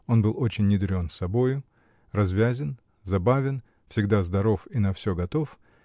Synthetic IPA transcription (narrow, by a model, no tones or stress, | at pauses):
o̞nbɨlˠo̞t͡ɕɪnʲːɪd̪ɾʲo̞nsɐbo̞jʊ | rɐzvʲæzʲɪn | zɐbavʲɪn | fsʲɪɡd̪azd̪ɐɾo̞finɐfsʲɵɡɐt̪o̞f